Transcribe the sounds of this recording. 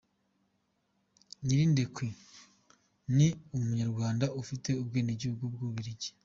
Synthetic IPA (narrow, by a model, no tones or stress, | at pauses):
niɾindekwe | niumuɲaɾɡwaːndaʔufite̞ub̚ɡeːneɟuːbɡob̚ɡuːβiɾiɟe̥